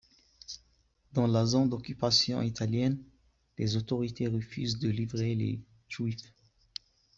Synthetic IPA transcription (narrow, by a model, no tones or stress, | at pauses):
d̪ɑ̃lazɔ̃d̪ɔkʲypasjɔ̰̃it̪aljɛn | lezot̪ɔʁit̪ʰeʁəfyzd̪əlivʁelḛ | t̪wif